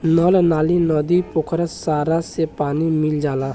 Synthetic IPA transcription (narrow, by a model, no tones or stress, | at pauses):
nɔːlnaːlinɔːd̪ipokʰɾəsaːɾasepaːnimɪld͡ʒaːlãː